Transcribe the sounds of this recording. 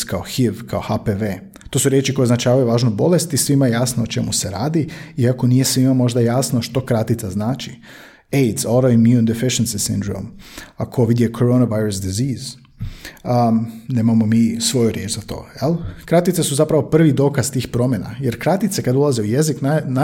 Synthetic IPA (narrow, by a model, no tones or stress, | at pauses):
kaoxiʋkʰaoxapeʋeː | t̪o̞ːsuɾjet͡ʃiko̞jznat͡ʃaːʋajuʋaːʒnobo̞le̞st̪isʋimajejaːsnoot͡ʃe̞muse̞ɾaːd̪iiako̞nije̞sʋimamo̞ʒd̪ajaːsnoʃt̪o̞kɾat̪it̪saznaːt͡ʃi | ejd̪zoɾoinmjund̪efiʃensisḭnd̪ɾo̰makʰo̞ʋid̪jekʰoɾonaʋajɾusd̪iziːz̥ | ne̞ːmamo̞miːsʋo̞juɾʲjeːt͡ʃzat̪o̞̰ːjelˠkɾat̪it̪sesuzapɾaʋo̞pr̩ʋid̪o̞ːkaz̥t̪iːxpɾo̞mʲjena̰jeɾkɾat̪it̪sekad̪ulˠaze̞uje̞ziknana